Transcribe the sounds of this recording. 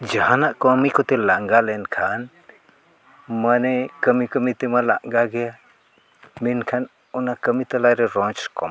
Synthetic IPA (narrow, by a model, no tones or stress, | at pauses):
d͡ʒahanaʔkɔmikɔt̪ɛlaŋɡalɛnkʰan | manɛkəmikəmit̪ɛmala̰ʔɡaɡɛja | minkʰan | ɔnakəmit̪alajɾɛɾɔnt͡ʃkɔm